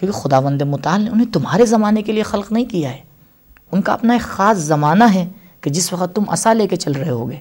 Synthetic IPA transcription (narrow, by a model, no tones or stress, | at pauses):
kjõːkexʊd̪aːʋə̃nd̪emʊt̪aːlːʊnɦẽt̪ʊmɦaːɾezɐmaːnekeliexɐlqnɐɦĩkijaɦɛː | ʊnka̰ɐ̰pnaeːkxaːszɐmaːnaɦɛ | ked͡ʒɪsʋɐqət̪ːʊmɐ̰saleːket͡ʃɐlɾɐɦeɦo̰ːɡeː